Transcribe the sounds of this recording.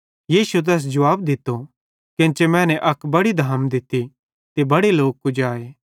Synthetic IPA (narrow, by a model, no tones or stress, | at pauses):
jiːsuet̪̬ɛːs̬d͡ʒɐʋaːbd̪ɪt̪ːo | kɪ̃nt͡ʃemɛ̃ːnɛʔɐkbɐɽid̪ʱaːmd̪ɪt̪ːi | t̪ebɐɽeloːk̚kʊd͡ʒaːeː